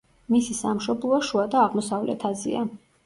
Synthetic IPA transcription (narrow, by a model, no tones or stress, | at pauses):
misisamʃɔblˠɔʃuad̪aːʁmɔsavlɛ̰t̪ʰazḭa